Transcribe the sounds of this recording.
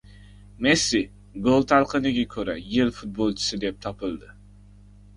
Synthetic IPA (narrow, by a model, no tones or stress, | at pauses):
mesi | ɡolˠt̪ʰalˠqʰɨnɪɡʲakʲʰɵɾæ̰jɪlfʊt̪̚bolˠt͡ʃʰɪ̥sɨd̪ep̚t̪ʰɒpʰɨlˠd̪ɪ